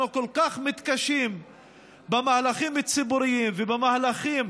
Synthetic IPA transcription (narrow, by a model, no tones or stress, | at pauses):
ukolkaχmit̪kaʃim | bemahalaχimit͡sibuɾiimvebemahlaχim